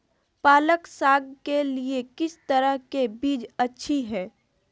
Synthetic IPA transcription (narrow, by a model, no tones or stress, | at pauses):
paːləksaːɡkeliekɪst̪ɐɾəɦkebiːd͡ʒɐtːʃʰiɦɛː